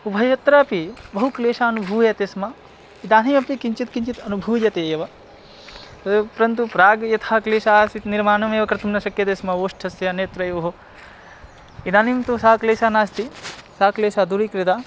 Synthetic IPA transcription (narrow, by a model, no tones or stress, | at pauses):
ubʱɐjɐt̪ɾaːpibɐɦukleːʃaːɐnubʱuːjɐt̪esmɐ | id̪aːnimɐpikiɲt͡ʃit̪kiɲt͡ʃit̪ɐnubʱuːjɐt̪eeːʋɐ | t̪ɐpɾɐnt̪upɾaːɡjɐt̪ʰaːkleːʃaːsit̪niɾmaːnɐmeːʋɐkɾɐt̪umnɐʃɐkjɐt̪eːsmɐoːʂʈʰɐsjɐneːt̪ɾɐjʋɐɦo | inaːnimt̪usaːkleːʃaːnaːst̪isaːkleːʃaːd̪uɾikɾid̪aː